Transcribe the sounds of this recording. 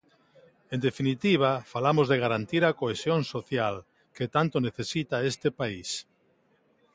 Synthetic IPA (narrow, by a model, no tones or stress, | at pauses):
end̪efinit̪iβ̞afalamozðeɣ̞aɾant̪iɾakoesjoŋsoθjal | ket̪ant̪oneθesit̪aest̪epais